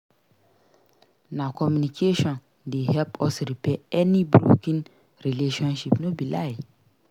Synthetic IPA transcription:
nãkʰɔmjũnikʰeʃɔ̃n | dehɛlpʰɔsɾipʰɛɛnĩbɾo̰kʰĩn | ɾileʃɔ̃nʃipnʊ̃bilaɪ

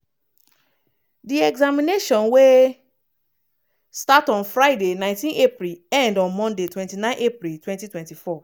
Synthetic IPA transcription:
diɛɡzamineʃɔ̃nwe | statɔ̃nfɹaɪdenãɪ̃ntĩnepɹilɛ̃ndɔ̃nmɔ̃ndetwɛ̃ntinãɪ̃nʔepɾiltwɛ̃ntitwɛ̃ntifɔ

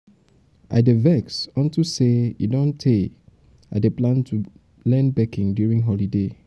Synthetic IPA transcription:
ʔa̰ɪdevɛksɔ̃ntuseḭdõntʰe | aɪdeplãntʰu | lɛ̃nbɛkĩŋdjuɹĩŋɦɔlide

